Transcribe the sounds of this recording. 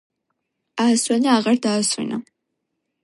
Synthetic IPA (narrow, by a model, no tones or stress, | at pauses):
aːsʼɐniaːʁɐrdaːsʼʊ̰nɨ̰